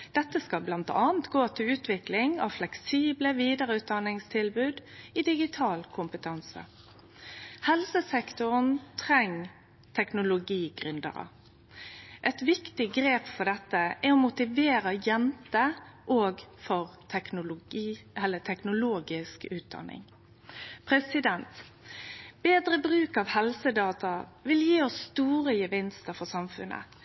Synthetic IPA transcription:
d̪̥ɛt̪ːəskɑblɑnt̪ɑ̰ːnt̪ɡoːt̪ʰɪlʉːt̪ʋɪklɪŋɑʋflɛksiːbləʋiːd̪əɾəʉːt̪̚d̪ɑnɪŋst̪ʰɪlbʉːd̪ɪd̪ɪɡɪt̪ʰɑːlkʰʊmpət̪ʰɑnsə̰ | hɛlsəsɛkt̪ʊʁnt̪ʰʁɛŋ | t̪ʰɛknʊlʊɡiːɡʁʏnd̪ə̰ʁə̰ | ʔɛt̪ʋɪkt̪ɪɡɾeːpfɔd̪ɛt̪ːəʔɛɾɔmʊt̪ɪʋeːɾɑjɛnt̪əʔoːɡfɔʁʰɛnʊ | ɛlːət̪ʰɛknʊloːɡɪskʉːt̪̚d̪ɑ̰nɪ̰ŋ | pʰɾɛsɪd̪ɛnt̪ | beːd̪ɾəbɾʉːkɑʋhɛlsəd̪ɑːt̪ɑʋɪljiːɔsːt̪uːʁəjəʋɪnst̪əɾfɔsɑmfʉ̰nʔə̰

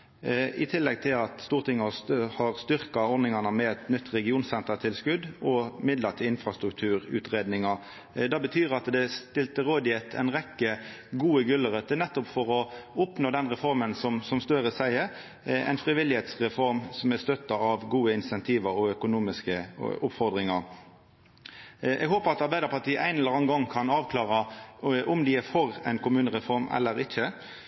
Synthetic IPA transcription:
ɪt̪ʰɪlːɛɡ̚t̪ʰɪlɑt̪st̪uːʁt̪ʰɪŋːəhɑhɑʁst̪ʏɾkɑɔɾnɪŋɑnəmɛɛt̪nʏt̪ːɾɛɡɪuːnsɛnt̪ət̪ʰɪlskʉd̪ɔmɪd̪ləʁt̪ʰɪlɪnfʁɑst̪ɾʉk̚t̪ʰʉːɾʉ̰ːt̪ʁeːd̪nɪŋɑ | d̪ɑbət̪ʰyːɾɑt̪d̪ɛst̪ɪlt̪əɾoːd̪ɪet̪ʰɛ̰nʁɛkːəɡuːəɡʉlːəɾœt̪ːənɛt̪ːɔpfɔɾɔʊpnoːd̪ɛnɾɛfɔɾmənsɔmsɔmst̪œɾəsæɪə | æ̰ɪnfɾɪʋɪlːɪheːt̪sʁɛfɔɾmsɔmæst̪œt̪ːɑɑʋɡuːəɪnsɛnt̪ʰiːʋəɾɔœkʊnuːmɪskəʊpfɔɾd̪ʁɪŋɑɾ | ʔɛ̰ɡɦoːpəɾɑt̪ɑɾbæɪd̪əɾpɑʈiːəʔæ̰ɪnɛlːəɾɑnɡɔŋːkʰɑnɑːʋkʰlɑːʁɑʔʊmd̪ɪæfɔɾæ̰ɪnkʰʊmʉːnəʁɛfɔɾmɛ̰lːəɾɪçə

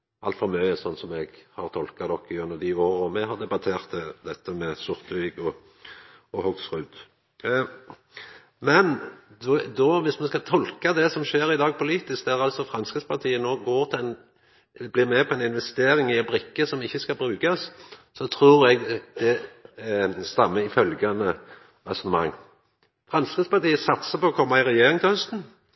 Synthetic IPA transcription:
ʔɑlt̪fɔmœʏəsɔnːsɔmɛɡhɑʁt̪ʰɔlkɑd̪ɔkːɪʉnd̪əʁd̪ioːɾəɔmɛɦɑʁd̪ɛbɑt̪ʰeːʁt̪ʰd̪ɛt̪ːəmɛsʊʁt̪iːɡɔ | ɔhɔksʁʉd̪ | mɛnd̪d̪ɔʋɪsmɑnskɑt̪ʰɔlkɑd̪ɛsɔmʃeːɾɪd̪ɑːɡ̚pʰʊliːt̪ɪsk̚d̪æʁɑlsɔfʁɑnskəspʰɑt̪ʰiːənoːɡoːʁt̪ʰɪɛn | blɪɾmɛpʰɔɛnɪnʋɛst̪eːɾɪŋɪɑbɾɪkːəsɔmɪçːəskɑlbɾʉːkɑssɔt̪ʰɾuːɾɛɡd̪̥ɛ | st̪ɑmːəɪfœlɡɑnə | ɑsɔnəmɑ̰ŋː | fɾɑnskəspɑt̪iːəsɑt̪səpɔɔkʰɔmːɑɪʁɛjeːʁɪŋt̪ʰɛhœst̪n̩

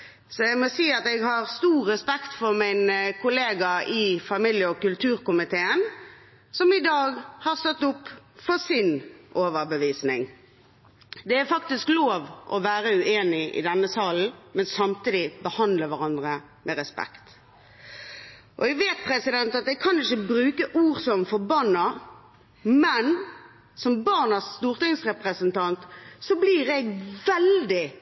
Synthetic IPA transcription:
sɔæɪmɔsiːɑt̪ɛɡhɑɾst̪uːɾːɛspɛkt̪fɔɾmæɪnkʰʊleːɡɑɪfɑmɪljəɔkʉlt̪ʰʉːɾkʊmɪt̪ʰeːən | sɔmɪd̪ɑːɡhɑʁst̪ɔt̪ːʊpːfɔsɪnʔoːʋəɾbəʋiːsnɪŋ | d̪ɛæfɑkt̪ɪskloːʋʔɔʋæːɾəʉʔeːnɪʔɪ̰d̪ɛnːəsɑːln̩mɛnsɑmt̪iːd̪ɪbəhɑnd̪ləʋæʁɑnd̪ɾə | mʔɛɾɛspɛ̰kt̪ | ʔɔ̰ɛɡʋeːt̪̚pʰɾɛsɪd̪ɛnt̪ɑt̪̚ɛɡ̚kʰɑnɪçəbɾʉːkəʔuːʁsɔmfɔbɑnːɑ | mɛn | sɔmbɑʁnɑst̪uːʁt̪ɪŋsʁɛpʁəsənt̪ʰɑnt̪sɔbliɾɛɡʋɛld̪ɪ

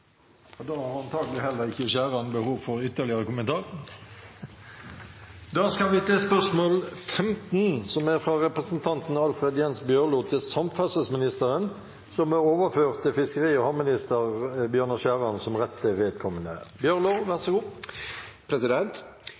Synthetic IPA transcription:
ɑd̪ɑːhɑɾɑnt̪ʰɑːɡəlɪhɛlːəɾɪçːəɕæːɾɑnbəhuːʋfɔɾʏt̪ːəʁlɪəɾəkʊmənt̪ʰɑːʁə | d̪ɑːskɑlʋɪt̪ʰɛːspœʂmoːlfɛmt̪nsɔmæɾfʁɑɾɛpʁəsənt̪ʰɑnt̪n̩ɑlfʁed̪jɛnsbjøːʁluːt̪ʰɪlsɑmfɑsəsmɪnɪst̪əɾən | sɔmɛoːʋəføːʁt̪ʰːɪfɪskəɾiːɔhɑmɪnɪst̪əʁbjøːʁnəʃæːʁɑnsɔmʁɛt̪ʰːəʋeːd̪kʰɔmːənə̰bjøːʁloːʋæʁsəɡuː | pʰɾɛsɪd̪ɛnt̪

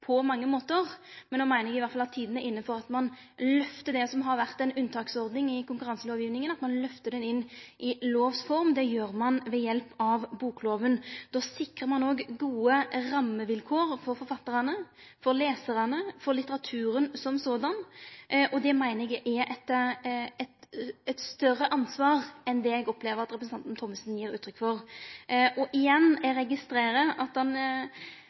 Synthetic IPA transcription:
pʰɔmɑŋːəmoːt̪əʁmɛnoːmæɪnəɛɡɪʋæɾt̪fɑlɑt̪ʰiːd̪n̩ɛʔɪnːəfɔɾɑt̪mɑn | lœft̪əd̪ɛsɔmɦɑɾʋæʁt̪ɛnʉnːt̪ʰɑːksɔɾd̪nɪŋɪkʊŋkʉɾɑnsəlɔːʋjɪːʋnɪŋənɑt̪mɑnlœft̪əd̪ɛnɪnːʔɪloːʋsfɔɾmd̪ɛjøːɾmɑnʋɛjɛlpɑʋbuːkʰloːʋənd̪oːsɪkʁəɾmɑnoːɡɡuːəɾɑmːəʋɪlkʰoːɾfɔɾfɔɾfɑt̪ːəɾɑnə | fɔɾleːsəɾɑnəfɔɾlɪt̪əʁɑt̪ʰʉːɾənsɔmsoːd̪ɑnʔɔd̪ɛmæɪnəɾɛɡɛʔɛʔɛt̪ | ɛt̪ɛt̪st̪œrːəʔɑnsʋɑːʁɛnd̪ɛɛɡɔpleːʋəɾɑt̪ɾɛpɾəsn̩ɑnt̪nt̪ʰɔmːəsnjiːɾʉ̰ːt̪ʰːɾʏkfɔɾ | ʔɔʔɪjɛnːæɾɛɡɪst̪ɾeːɾəʔɑt̪ɑn

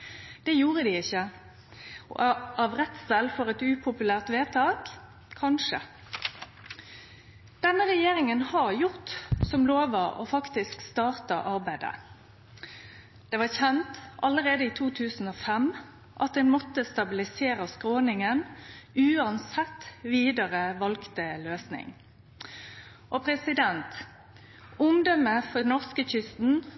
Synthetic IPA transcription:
d̪̥ɛjuːʁəd̪ɪɪçːə | ɑʋʁɛt̪sɛlfɔɾɛt̪ʉːpʰʊpʉlæːʁt̪ʋeːt̪ʰɑːk | kʰɑnʂə | d̪̥ɛnːəʁɛjeːɾɪŋənhɑʁjʊʁt̪sɔmloːʋəʔo̰ːfɑkt̪ɪskst̪ɑːʁt̪ɑʔɑʁbæɪd̪ə̰ | d̪̥ɛːʋɑçɛnt̪ɑləʁeːd̪əiːt̪ʰuːt̪ʰʉːsn̩oːfɛm | ʔɑt̪̚d̪ɛnmɔt̪ːəst̪ɑbɪlɪseːʁəskʁoːnɪŋənʉːɑnsɛt̪ːʋiːd̪ɑʁəʋɑlkt̪əløːsnɪ̰ŋ | ʔɔpʰʁɛsɪd̪ɛnt̪ | ʊŋd̪ɔməfɔnɔʁskəçʏst̪n̩

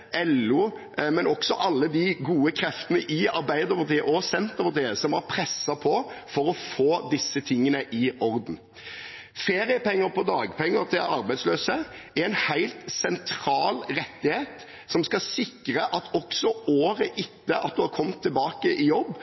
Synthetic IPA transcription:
ʔɛlːʉ | mɛnɔksɔʔɑlːəd̪iɡuːəkʰɾɛft̪ənəʔɪɑɾbæɪd̪əɾpɑt̪ʰiːəʔɔsɛnt̪əpɑɾt̪ʰiːəsɔmɑɾpʰɾɛsːɑpʰɔfɔɾɔfoːd̪ɪsːət̪ʰɪŋːənəʔɪɔɾd̪n̩ | feːɾɪəpɛŋːəɾpɔd̪ɑːɡpʰɛŋːəɾt̪ʰɪlɑɾbæɪd̪sløːsəɛɛɪnhæɪlt̪sɛnt̪ʰɾɑːlɾɛt̪ːɪheːt̪ | sɔmskɑsɪkːɾəʔɑt̪ʰɔksɔoːɾəʔɪt̪ːəʔɑt̪̚d̪ʉhɑɾkʰɔmːt̪ʰːɪlbɑːkəʔɪjɔbː

